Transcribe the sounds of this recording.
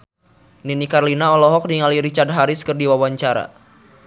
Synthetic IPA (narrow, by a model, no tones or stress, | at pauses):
ninikarlinaɔlɔɦɔk̚diŋaliɾit͡ʃard̚ɦaɾiskərdiwawaɲt͡ʃaɾa̰